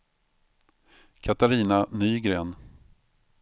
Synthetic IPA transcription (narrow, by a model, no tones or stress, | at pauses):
kʰat̪aɾiːnanyːɡɾeːn